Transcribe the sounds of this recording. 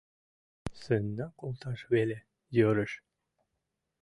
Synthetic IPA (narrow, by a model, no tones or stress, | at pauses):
sənːɑkolˠt̪ɑʃβelʲe | jøɾə̆ʃ